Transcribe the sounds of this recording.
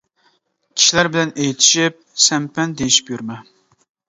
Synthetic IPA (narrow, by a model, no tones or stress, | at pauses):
kʲʰi̥ʃilæɾbɪlɛnejt̪ʰi̥ʃip̚sɛmpɛnd̪ejiʃi̥pjyɾmɛ